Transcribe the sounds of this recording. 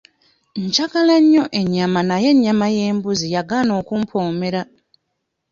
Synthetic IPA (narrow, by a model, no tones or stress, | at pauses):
ɲcaɡalaɲːo̞ʔe̞ɲːamanaje̞ɲːamaje̞ːmbuzijaɡano̞ːkumpʰo̞ːme̞ɾa